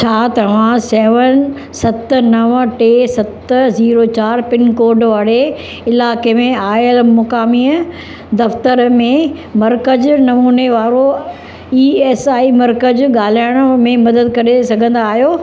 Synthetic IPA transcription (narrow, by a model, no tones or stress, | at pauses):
t͡ɕʰaːt̪ɐʋ̤ãsɛːʋən | sɐt̪nɐʋʈeːsɐt̪ziːɾot͡ɕaːɾpɪnkoːɾɖʋaːɽe | ɪlaːkemẽaːlmʊkaːmiːə | d̪ɐft̪əɾmẽmɐɾkəd͡ʑnɐmuːneʋaːɾo | iːɛːsaːimɐɾkəd͡ʑɠaːl̤aːɪɽ̃mẽmɐd̪əd̪kɐɾesɐɡʱə̃n̆d̪aːɦijoː